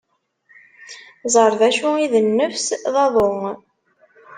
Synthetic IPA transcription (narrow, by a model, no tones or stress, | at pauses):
zˤəɾˤðæʃuiðənːəfsðɑðˤoŋ